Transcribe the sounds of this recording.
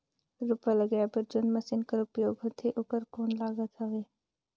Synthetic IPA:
ɾʊpaləɡaːpəɾd͡ʒonmɐsɪnkəɾʊpjoːɡɦoːt̪ʰeʔʊːkəɾkoːnlaːɡət̪ɦɐʋeː

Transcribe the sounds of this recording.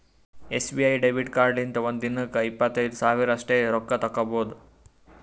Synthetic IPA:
esbiajɖebiʈkaːɾɖint̪ɐʋond̪inːɨkɐipːɐt̪ɐjd̪saːʋiɾɐsʈeːɾɔkːɐt̪ɐkːɐbʱoːd̪u

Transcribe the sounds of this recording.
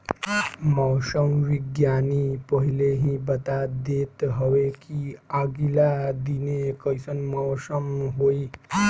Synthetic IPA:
mɔwsəmʋiɡjanipəɦileɦĩbət̪ad̪et̪ɦəʋekiaɡilad̪inekəjsənmɔwsəmɦoi

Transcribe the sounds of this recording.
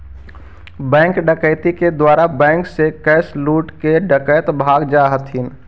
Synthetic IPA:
bɛ̃ːŋkɖəkəɪt̪iked̪waːɾabɛ̃ːŋksekɛːsluːʈkeɖəkəjt̪bʱaːɡd͡ʒaɦət̪ɦɪn

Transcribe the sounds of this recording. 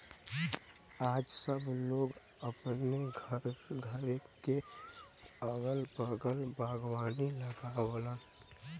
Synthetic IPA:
aːd͡ʒsəbloːɡ | əpneɡʱəɾɡʱəɾke | əɡəlbəɡəlbaːɡwaːniləɡawlə

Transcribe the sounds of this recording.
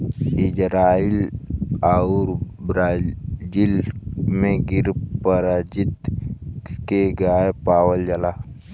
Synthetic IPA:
ɪd͡ʒɾaːilauɾbɾad͡ʒilmẽɡɪɾpəɾad͡ʒit̪ | keɡaːjepaːwəld͡ʒalaː

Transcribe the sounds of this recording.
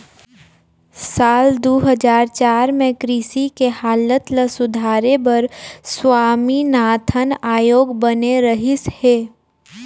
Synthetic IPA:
saːld̪oɦəd͡ʒaːɾt͡ʃaːɾmẽkɾiːsikehaːlət̪ləsʊd̪ʱaːɾebəɾswaːminaːt̪ʰənaːjoːɡbəneɾəɦɪsheː

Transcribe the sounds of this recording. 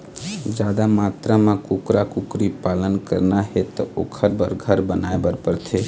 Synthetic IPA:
d͡ʒaːd̪amat̪ɾamãkukɾakukɾipaːlənkə̰ɾnaɦet̪ɔokʰəɾbəɾɡʱəɾbənaebəɾpəɾt̪ʰe

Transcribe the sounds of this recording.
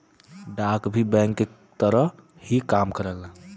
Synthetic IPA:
ɖaːkbʱibɛ̃ːŋkːe | t̪əɾə | hikaːmkəɾəlaː

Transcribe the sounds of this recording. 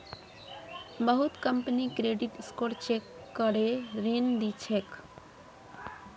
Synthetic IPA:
bəɦut̪kəmpnikɾeɖiʈskoɾt͡ʃekː | əɾeɾend̪it͡ʃʰek

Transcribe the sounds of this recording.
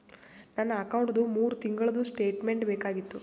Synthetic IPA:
nɐnːɐːkɐwuɳʈd̪umuːɾut̪iŋɡɐɭɐd̪usʈe̞ːʈme̞ɳʈbeːkaːɡit̪ːu

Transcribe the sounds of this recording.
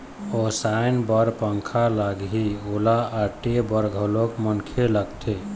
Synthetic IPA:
osajnbəɾpəŋkʰalaɡɦiolaːʈebəɾɡʱəlokmənkʰeləɡt̪ʰe

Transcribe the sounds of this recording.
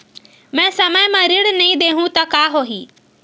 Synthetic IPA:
mɛ̃ːsɐməjmãɾɪɽnɐĩd̪eːɦũt̪ɐkaːɦoːɦiː

